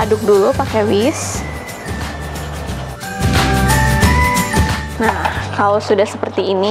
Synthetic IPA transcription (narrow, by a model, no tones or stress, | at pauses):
adʊk̚dulupakɛwis | nahkalosudahsəpərt̪iːni